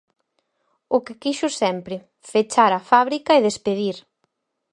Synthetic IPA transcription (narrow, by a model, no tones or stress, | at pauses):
ʊkɪkiʃʊsɛmpɾɪ | fet͡ʃaɾɐfaβɾikɐeðespeðiɾ